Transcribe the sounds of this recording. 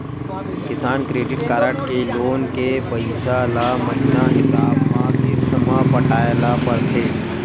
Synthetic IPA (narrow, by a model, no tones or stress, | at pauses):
kɪsaːnkɾeːɖɪʈkaːɾəʈkeloːnkepəɪsalamɐɦɪnaɦɪsaːbmãt̪ɪsnɐmãpɐʈaːjlapɐɾt̪ʰeː